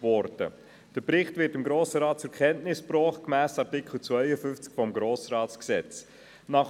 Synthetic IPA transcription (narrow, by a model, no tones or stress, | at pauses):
vɔɾdə̰ | d̥əɾpɾɪχtvɪɾtɪmɡɾoːsəɾɑːt̚t͡sʊɛkʰɛntnɪspɾɔːχt̚kmæːsɑɾtɪkχl̩t͡sʋœɪəfʏnft͡skfɔmɡɾoːsɾɑːt͡sksɛt͡s | nɑχ